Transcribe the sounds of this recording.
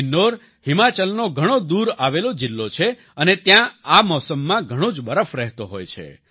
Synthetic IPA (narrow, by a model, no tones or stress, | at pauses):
nːoɾ | ɦimat͡ʃəlnoɡʱəɽ̃od̪uɾaʋelod͡ʒɪlːot͡ʃʰe | ənet̪jãamɔsəmːãɡʱəɽ̃õd͡ʒbəɾəfɾɛɦt̪oɦo̰jt͡ʃʰḛ